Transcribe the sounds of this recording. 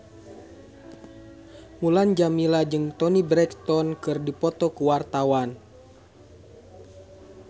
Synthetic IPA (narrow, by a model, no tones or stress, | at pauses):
muland͡ʒamilad͡ʒɨŋt̪ɔnibɾɛkt̪ɔnkɨrdipɔt̪ɔkuwart̪awan